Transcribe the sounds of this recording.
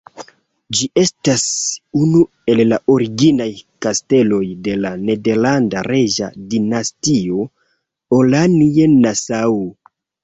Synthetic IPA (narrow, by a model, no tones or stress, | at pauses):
d͡ʒiʔe̞stasunu | e̞llaʔo̞ɾiɡinajkaste̞lo̞jde̞lane̞de̞ɾlandaɾe̞ʒa̰dinastio̞ | olanienasawu